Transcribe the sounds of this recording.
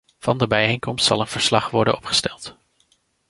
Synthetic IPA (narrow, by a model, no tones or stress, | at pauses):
v̥ɑndəbɛjejŋkɔmstsɑ̰lˠənv̥əɹslɑχʋɔɹdə̰nɔpχə̥stɛlˠt